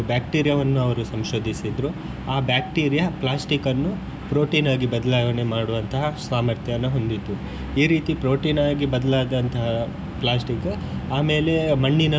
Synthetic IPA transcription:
bjaːk̚ʈiːɾijɐʋɐnːuɐʋɐɾusɐmʃo̞ːd̪ʱisid̪ɾu | aːbjaːk̚ʈiːɾijɐplaːsʈikɐnːu | pɾo̞ːʈiːnaːɡibɐd̪ɐlaːʋɐnemaːɽuʋɐnt̪ɐɦɐsaːmɐɾt̪ʰjɐʋɐnːɐɦo̞nd̪id̪ːu | iːɾiːt̪ipɾoːʈiːnaːɡibɐd̪ɐlaːd̪ɐnt̪ɐɦɐ | plaːsʈik | aːme̞ːle̞mɐɳːinɐ

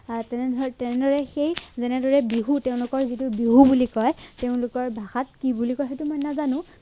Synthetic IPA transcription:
atɛnɛɔtɛnɛdɔɹɛxejzɛnɛdɔɹɛbiɦuteʊ̃lʊkɔɹzitubiɦubulikɔjteʊ̃lʊkɔɹbʱaxat̚kibulikɔjxejtumɔjnazanʊ̃

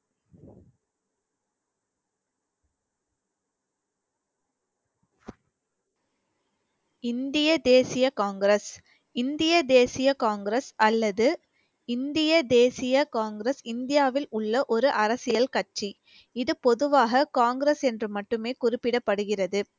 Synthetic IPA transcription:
ɪnd̪ɪjɐd̪eːsɪjɐkaːŋɡɾɐs | ɪnd̪ɪjɐd̪eːsɪjɐkaːŋɡɪɾɐsɐlːɐðɯ | ɪnd̪ɪjɐd̪eːsɪjɐkaːŋɡɾɐsɪnd̪ɪjaːʋɪlʊɭːɐʔɔɾɯʔɐɾɐsɪjɐlkɐʈ̚t͡ʃi | ɪðɯpɔðɯʋaːɣɐkaːŋɡɪɾɐsɛndrɯmɐʈːɯmeːkʊrɪpːɪɽɐpːɐɽɯɣɪrɐðɯ

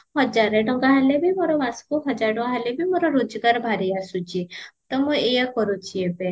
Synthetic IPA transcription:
hɔd͡ʒaɾeɖɔŋɡaɦelebʱimoɾɔbaskuɦɔd͡ʒaɾɖɔ̃ŋɡaɦalebʱimoɾɔɾud͡ʒɔɡaɾbʱaɾiasud͡ʒit̪ɔmũejakɔɾut͡ʃʰiebe

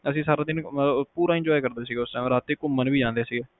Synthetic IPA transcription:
əsĩːsaːɾaːd̪ɪnmələbpuːɾaːɪ̃ɲd͡ʒɔːikəɾd̪eːsiːɡeːʊsãːm̃ɾaːt̪ːeːkʊmːənʋiːd͡ʒãːnd̪eːsiːɡeː

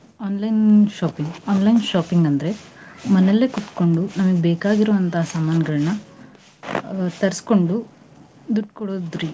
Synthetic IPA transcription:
aːnlɐjnʃaːpiŋɡaːnlɐjnʃaːpiŋɡɐnd̪ɐɾe̞mɐnelːe̞kut̪ko̞ɳɖunɐmɐɡebeːkaːɡiɾoːʋɐnt̪aɦsaːmaːnɐɡɐɭɐnɐ | t̪ɐɾisko̞ɳɖu | d̪uʈːkoɽoːd̪ɾi

